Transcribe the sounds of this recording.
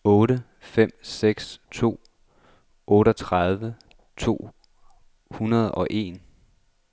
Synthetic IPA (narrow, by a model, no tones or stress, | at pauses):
ɔ̽ːɾə | fem̰seɡ̥st͡sʰo̝̰ː | ʔɔ̽ːɾɒt͡sʰʁɑð̞ˠʋə | t͡sʰo̝̰ː | hunɐð̞ˠɒ̽ʔe̝̰ːn